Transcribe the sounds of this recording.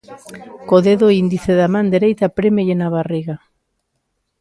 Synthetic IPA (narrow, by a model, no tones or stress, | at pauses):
koðeðoind̪iθeðamãnd̪eɾejt̪apɾemeʎenaβariɣa